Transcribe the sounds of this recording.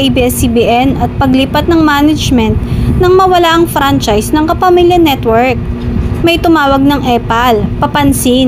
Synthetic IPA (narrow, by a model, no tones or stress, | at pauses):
ʔibiɛsibiʔɛnɐt̪̚pɐɡlɪpat̪̚nɐŋmaːnɐd͡ʒmɛnt̪̚nɐŋmɐwɐlaʔɐŋfɾant͡ʃajsnɐŋkɐpɐmiljɐnɛt̪wɛɹk̚mɐjt̪ʊmaːwɐɡ̚nɐŋʔɛpɐlpɐpɐnsin